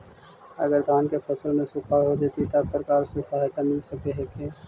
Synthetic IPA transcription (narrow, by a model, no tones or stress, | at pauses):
ə̰ɡəɾd̪ʱaːnkepʰəsəlmẽsʊkʰaːɽɦod͡ʒet̪it̪asəɾkaːɾsesəɦaːjt̪amɪlsəkeɦɛke